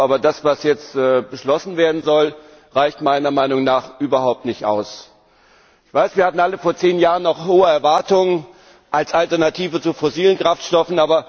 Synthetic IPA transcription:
ʔaːbɐdasv̥asjɛt͡stɛːbəʃlɔsn̩veːɐdn̩zɔl | ʁaɪçtmaɪnɐmaɪnʊŋnaːχʔyːbɐhaʊp̚tnɪçtʔa̰ʊs | ʔɪçv̥aɪsv̥iːɐhatn̩aləfoːɐt͡seːnjaːʁənːɔχhoːəɛɐvaɐtʊŋən | ʔalsʔaltɛɐnatʰiːvət͡sufoziːlənkʁ̥aftʃtɔfn̩ʔaːbɐ

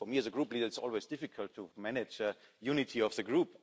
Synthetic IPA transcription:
fəmiɨzəɡɹuplidəɪtsɔ̰lweɪzd̥ɪfɨkʰəltʰːumænɪd͡ʒəjunɪtʰiɔvðəɡɹup

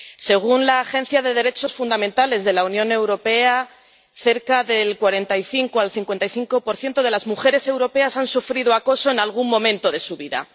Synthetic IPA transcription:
se̞ɣ̞unlaːxe̞n̟θjaðe̞ðe̞ɾe̞t͡ʃo̞sfund̪amẽnt̪ale̞zðe̞launjõ̞ne̞wɾo̞pe̞a | θe̞ɾkaðe̞lkwaɾe̞nt̪ajθiŋkoalθiŋkwe̞nt̪ajθiŋko̞po̞ɾθjent̪oðe̞lazmuxe̞ɾe̞se̞wɾo̞pe̞asansufɾið̞oako̞so̞enalɣ̞unːõ̞mẽnt̪o̞ðe̞suβiða̰

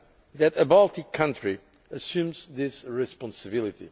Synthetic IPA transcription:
ðɨtəbɔlˠt̪ikʰːʌ̃ntɹ̥i | əsjʉ̃mzðɪsɹɪspɑ̃nsɨbɪlˠit̪ḭ

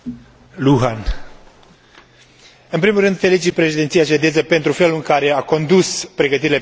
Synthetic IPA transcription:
luɦan | ɨnpɾimulɾɨnd̪fe̞lit͡ʃid̪̚pɾe̞ʃid̪ent̪sijaʃed̪ezəpe̞nt̪ɾufe̞luɨŋkaɾe̞ako̞nd̪uspɾe̞ɡət̪iɾile̞

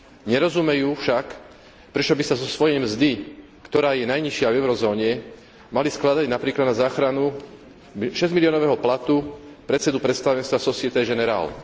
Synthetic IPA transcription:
ɲɛɾɔzumɛjuːfʃak | pɾɛt͡ʃɔbisazɔsʋɔjɛjmzd̪i | kt̪ɔɾaːjɛnajɲiʃɪavɛʊɾɔzɔːɲɛ | malisklad̪aɟnapɾiːklad̪nazaːxɾanu | ʃɛzmiliɔːnɔʋɛɦɔplat̪upɾɛt̪sɛd̪upɾɛt̪st̪aʋɛnst̪ʋasɔsɪɛt̪ɛjɡɛnɛɾa̰ːl

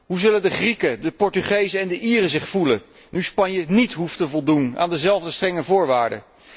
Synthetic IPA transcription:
ɦuzɵləndəχrikədəpɔɹtyχejzəɛndəʔiːrəzɪχfulə | nyspɑɲjənitɦuftəvɔlˠduna̰ːndəzɛlˠvdəstrɛŋəvʊːɹʋaːɹdə̰

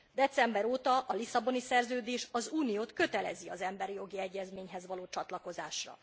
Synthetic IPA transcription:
d̪ɛt̪sɛmbɛɾoːt̪ɒʔɒlisɒbo̞nisɛrzøːd̪eːʃɒzuːnijoːt̪kø̞t̪ɛlɛ̰ziɒzɛmbɛɾijo̞ɡiɛɟːɛzmeːɲɦɛzʋɒloːt͡ʃɒt̪lɒko̞zaːʃrɒ̰

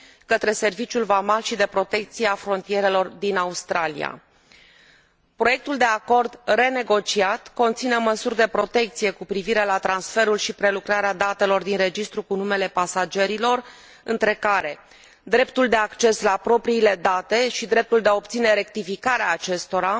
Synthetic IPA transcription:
kət̪ɾe̞se̞rvit͡ʃʲjulvamalʃid̪e̞pɾo̞t̪e̞k̚t̪sijeafɾo̞nt̪ije̞ɾe̞lo̞rd̪inaust̪ɾalḭja̰ | pɾo̞je̞k̚t̪uld̪e̞ako̞rd̪re̞ne̞ɡo̞t͡ʃiat̪ko̞nt̪sineməsurʲd̪e̞pɾo̞t̪e̞k̚t̪sije̞kupɾiviɾe̞lat̪ɾansfe̞ɾulʃipɾe̞lukɾaɾead̪at̪e̞lo̞rd̪inre̞d͡ʒist̪ɾukunume̞le̞pasad͡ʒe̞ɾilo̞r | ɨnt̪ɾe̞kaɾe̞ | d̪ɾe̞pt̪uld̪e̞akt͡ʃe̞slapɾo̞pɾiːle̞d̪at̪e̞ʃid̪ɾe̞p̚t̪uld̪eaop̚t̪sine̞ɾe̞k̚t̪ifikaɾeaːt͡ʃe̞st̪o̞ɾa

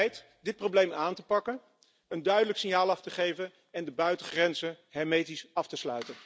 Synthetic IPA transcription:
jt | dɪt̚prowblejmaːntəpɑkən | əndœɥdələksɪɲjaːlˠɑftəχejvən | ɛndəbœɥtəχrɛnzən | ɦɛmejtisɑftəslœ̰ɥtən

